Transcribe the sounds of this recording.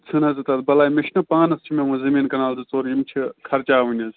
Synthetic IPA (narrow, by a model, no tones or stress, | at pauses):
t͡sʰɨnɐzit̪ɐd̪̚bɐlaːimiʃnɐpaːnɐst͡ʃʰimẽmũzɐmiːnkɐnaːlzɨt͡soːɾjimt͡ʃʰikʰɐɾt͡ʃaːʋɨnʲɐz